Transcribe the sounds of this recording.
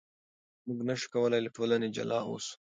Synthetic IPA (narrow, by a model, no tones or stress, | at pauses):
muɡnaʃu̥kawəlajlaʈolaned͡ʒa̰lɑo̰s